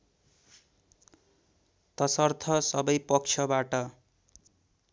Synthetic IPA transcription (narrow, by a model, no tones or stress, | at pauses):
t̪ʌsʌrt̪ʰʌsʌbʌjpʌk̚t͡ʃʰʌbaʈʌ